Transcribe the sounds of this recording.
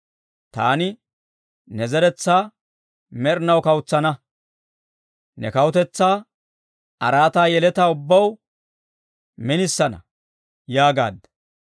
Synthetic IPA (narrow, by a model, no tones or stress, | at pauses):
t̪a̰ːnɪ | nɛzɛɾɛt͡sːaː | mɛɾnɐwkɐwʊt͡sːɐnɐ | nɛ̰kɐwʊt̪ɛt͡sːaː | ɐɾaːt̪aːjɛlɛt̪aːʊbːɐw | mɪnɪsːɐnɐ̰ | jaːɡa̰ːd̪ːɐ